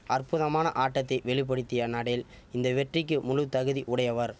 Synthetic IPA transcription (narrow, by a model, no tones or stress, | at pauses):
ʔɐrpʊðɐmaːnɐ̰ʔaːʈːɐt̪ːɐɪʋɛɭɪp̬ːɐɽɯt̪ːɪjɐnɐɽɐjɪl | ɪnd̪ɐʋɛʈrɪkːɯmʊlɯʋt̪ɐɣɯðiʔʊɽɐjɐʋɐɾ